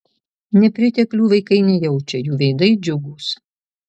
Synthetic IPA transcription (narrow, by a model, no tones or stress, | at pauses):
nʲɛpʲɾʲɪt̪ʲɛklʲuːʋɐɪkɐɪnʲɛjɛʊt͡ʃʲɛjuːʋʲɛɪd̪ɐɪd͡ʒʲʊɡuːs